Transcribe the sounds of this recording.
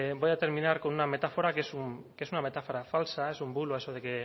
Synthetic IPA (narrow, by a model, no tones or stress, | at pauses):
bojðat̪eɾminaɾkonuname̞t̪afoɾakesumkesuname̞t̪afoɾafalsae̞sumbuluesoðeke